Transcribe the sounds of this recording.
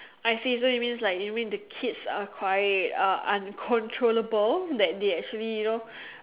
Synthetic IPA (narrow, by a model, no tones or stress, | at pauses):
ʔajsisɔit̚mĩnslaɪkjmĩndəkʰitsakʰwaɪtʌʔãnkʰɔ̃ntʰɹoləbəldɛt̚deɛk̚t͡ʃuəlijuno